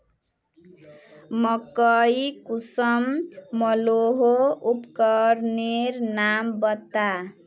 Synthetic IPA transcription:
mʌkʌjkusʌmːʌloɦoupkʌɾnernambʌt̪ːa

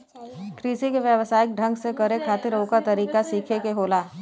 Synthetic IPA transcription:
kɾiːsikeʋjəʋsaːɪk̚ɖʱə̃ŋɡsekəɾekʰaːt̪ɪɾoːkəɾt̪ɐɾiːkasiːkʰekeɦoːlaː

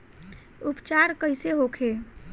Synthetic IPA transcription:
upt͡ʃaɾkəɪseɦokʰe

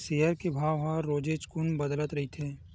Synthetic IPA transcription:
sejəɾkebʱaːʋɦaɾoːd͡ʒeːd͡ʒkʊnbəd̪lət̪ɾɐɦit̪ʰeː

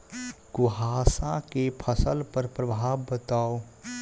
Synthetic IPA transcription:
ɡʊɦaːsãkepʰəsəlpəɾpɾəbʱaːʋbət̪aːo

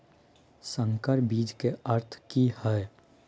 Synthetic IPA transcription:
sə̃ŋkəɾbiːd͡ʒkeəɾt̪ʰkihɛe

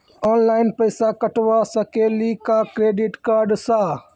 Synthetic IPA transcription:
ɔːnlaːɪnpəɪsaːkəʈʋaːsəkeːliːkaːkɾeːɖiʈkaːɾɖsaː

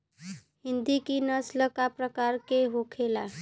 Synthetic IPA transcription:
hind̪ikinəsləkapɾəkaɾkeɦokʰela

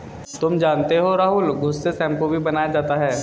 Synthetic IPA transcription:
t̪ʊmd͡ʒaːnt̪eɦoɾaːɦʊlɡʱʊsːesɛ̃ːm̚kobʱibɐnaːjad͡ʒaːt̪aɦɛː

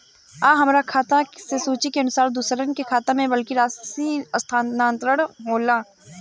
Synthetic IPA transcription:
aːɦɐmɾakʰaːt̪ãsesoːt͡ʃikeɐnʊsaːɾd̪usɾənkekʰaːt̪ãmẽʋɐlkiɾaːssiɐst̪ʰaːaːnt̪ɾəɽɦmoːlaː

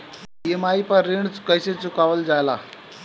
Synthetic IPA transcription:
jemaipəɾːeɳt͡skəjset͡sukaʋəld͡zala

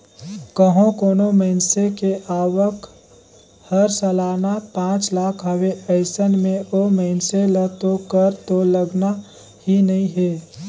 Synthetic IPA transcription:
kəɦõkoːnoməɪnsekeʔaːwək | həɾsəlaːnapãːt͡ʃlaːkʰɦəweəɪsənmẽʔoməɪnselət̪okəɾt̪oləɡna | hinəĩɦeː

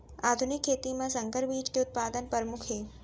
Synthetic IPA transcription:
ad̪ʱunikʰːeːt̪imãsəŋkəɾʋiːd͡ʒkeʊt̪̚pad̪ənpəɾmʊkʰɦe

